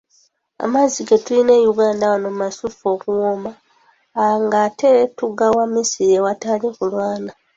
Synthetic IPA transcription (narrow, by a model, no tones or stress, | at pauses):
a̰maziɡetuline̞juɡaːndawanommasufo̞kuwomaː | ŋɡate̞tuɡawamisiɾiewatalikulwaːna